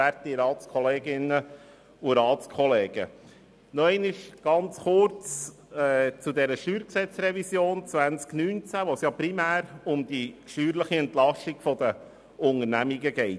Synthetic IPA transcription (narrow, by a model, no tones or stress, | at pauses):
æɾt̪iɾɑːtt͡skʰɔleːɡɪnə | uɾɑːtskʰɔleːɡ̥ə̰ | nɔɛɪnɪʃɡ̥ɑnt͡sχʊɾt͡s | ɛt͡sudɛɾəʃyːɾksɛt͡sɾɛvisjoːnt͡sʋænt͡sknyːnt͡sæʋosjɑpɾimæːɾʊmd̥̪iʃyːɾləχiɛnt̪lɑʃtiɡ̥fɔd̪ə | ʊŋəɾnæmiɡəɡɛɪt